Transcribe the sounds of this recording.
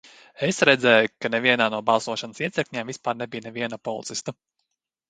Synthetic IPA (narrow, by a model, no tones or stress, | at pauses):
esɾɛd̪zɛːjukaneviɛnaːnuɔbɑlˠsuɔʃansiɛsɛkʲɲʲɛːmvispaːɾnebijnɛviɛnapɔlˠḭt̪sist̪u